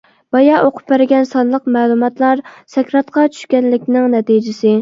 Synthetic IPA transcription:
b̥ɑjɑʔoqʰʊ̥p̚bæɾɪɡʲɛnsɑnlˠəqmɛːlˠumɑt̪lˠɑɾsɛkʲɾɑt̪̚qʰɑt͡ʃʰy̥ʃkʲɛnlɪkʲnɪŋnɛt̪id͡ʒɪsɪ

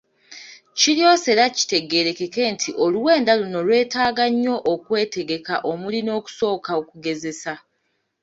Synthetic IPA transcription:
cilio̞se̞ɾaci̥te̞ɡe̞ɾe̞ke̞ke̞ːntʰiʔo̞luwe̞ːndaluno̞lwe̞ːtaːɡaɲːo̞ʔːkwe̞ːte̞ɡe̞ka̰ʔo̞mulino̞ːku̥so̞ːkaokuɡe̞zesa

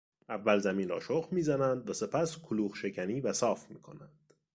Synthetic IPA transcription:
ʔævːælzæmiːnɾɒ̰ːʃoqmiːzænænd̪væse̞pʰæskʰoluːχʃe̞cʰæniːvæsɒːfmiːkʰo̞̰nændd̪̥

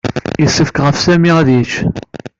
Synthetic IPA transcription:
isːəfkʁəfsæmiæðiʃ

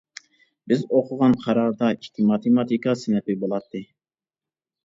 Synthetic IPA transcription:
bɪzoqʰʊʁɑnqʰɑɾɑɾd̪ɑkʲʰi̥k̪ʰʲimɑt̪ʰemɑt̪ʰikɑsɪnɛpɪbolˠɑt̪ʰːɨ

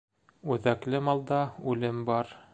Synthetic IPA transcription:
ʉðæklɘmɑlˠd̪ɑʉlɘmbɑɾ

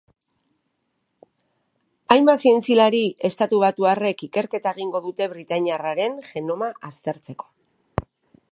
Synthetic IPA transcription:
ajmbasie̞nt͡silaɾie̞st̪at̪uβ̞at̪uare̞kike̞ɾke̞t̪aeɣ̞iŋɡo̞ðut̪e̞βɾit̪aɲiaraɾe̞nʝe̞no̞maʔast̪e̞ɾt͡se̞ko̞̥

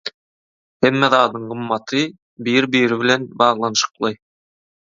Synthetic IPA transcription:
hæmːæðɑːd̪ɤɴʁɤ̆mːɑt̪ʰɤ | bijɘɾbiɘ̆ɾɘβɘ̆lænbɑʁlˠɑnʃɤ̥̆qlˠɤj

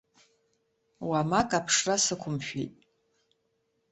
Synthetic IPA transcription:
wamakʼapʰʂrasɨkʷʰʊmʃᶣḭtʼ

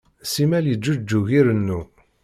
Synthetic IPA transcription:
simæljəd͡ʒːud͡ʒːuʝiɾənːu

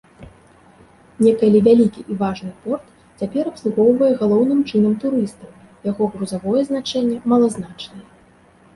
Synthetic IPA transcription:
nʲɛkɐlʲivʲalʲikʲiʔivaʐnɨpɔrt̪ | t͡sʲapʲɛɾɐpslˠuɣɔwvɐjɛɣalˠɔwn̪ɨmt͡ʂɨn̪ɐmt̪uɾɨst̪ɐw | jaɣɔɣɾuzavɔjɛznat͡ʂɛnʲːɛmɐlˠɐzn̪at͡ʂnɐjɛ

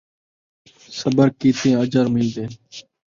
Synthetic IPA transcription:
səbəɾkiːt̪ẽːəd͡ʒəɾmɪld̪eː

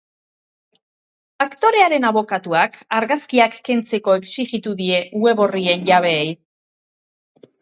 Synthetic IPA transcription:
akt̪o̞ɾe̞aɾe̞naβo̞kat̪uakaɾɣaskiakːe̞nt͡se̞ko̞e̞ksiɣit̪uðie̞ue̞βo̞rie̞nʝaβ̞e̞ːj

